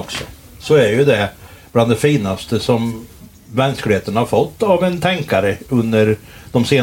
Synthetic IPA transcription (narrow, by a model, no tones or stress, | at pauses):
ksɔ | sɔæɾjɵd̪ɛb̥land̪ɛfiːnast̪əsɔmː | ɛnsklɪheːt̪ənhaɾfɔt̪ːavɛnt̪ʰɛŋkaɾəɵnd̪əɾd̪̥ɔmseː